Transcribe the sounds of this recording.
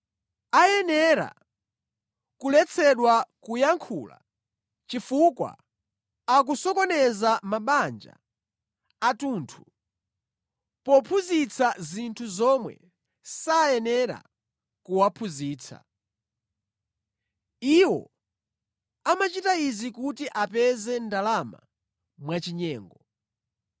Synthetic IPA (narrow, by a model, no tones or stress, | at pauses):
ajɛnɛɾa̰ | kulɛt͡sʰɛɗwakujaŋkʰuːla̰ | t͡ʃifukwa̰ | ak̬usɔkɔnɛzamaɓand͡ʒa̰ː | tuːntʰu̥ | pɔpʰuzit͡sʰazintʰuzɔmwɛ̰ | sajɛnɛɾa̰ | kuwapʰuziːt͡sʰa̰ | iwɔ̰ | amat͡ʃitaizikutiʔapɛzɛndalama̰ | mwat͡ʃiɲɛːŋɡɔ